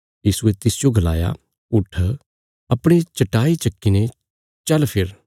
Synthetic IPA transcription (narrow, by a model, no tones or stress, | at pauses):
jiːsuet̪ɪsɪjoɡɐla̰ːja̰ | ʊʈʰː | ɐpɽ̃et͡ʃɐʈaːit͡ʃɐkːine | t͡ʃɐlpʰɪɾ